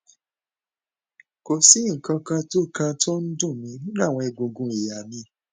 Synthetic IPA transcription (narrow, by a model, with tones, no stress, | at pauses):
ko˨si˨˦ŋ̩˨kã˧kã˧to˦kã˧to˦n̩˦dũ˦˨mĩ˨˧˦nĩ˦nã˦˨w̃ɔ̃˧ɛ˧ɡo˧ɡũ˧˦i˨ja˨mĩ˧˦